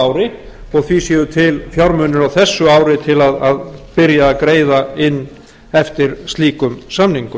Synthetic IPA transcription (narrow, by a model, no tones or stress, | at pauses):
aːwɾɪ | ɔɣθvisjɛːðʏt̪ʰɪlfjawɾmœːnɪɾawθɛsːʏaːwɾɪt̪ʰɪlaðaðpɪɾjaːkɾeːjðaɪnː | ɛft̪ɪɾ̥st̪liːkʏmsamniŋkʏ